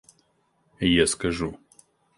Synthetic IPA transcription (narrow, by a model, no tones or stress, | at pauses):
jaskɐʒu